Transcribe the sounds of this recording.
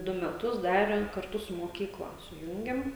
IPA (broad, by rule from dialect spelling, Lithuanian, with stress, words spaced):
ˈdʊ mʲɛˈtʊs ˈdɑːrʲɛm kɐrˈtʊ sʊ moːˈkʲiːklˠɐ sʊˈjuːŋʲɡʲɛm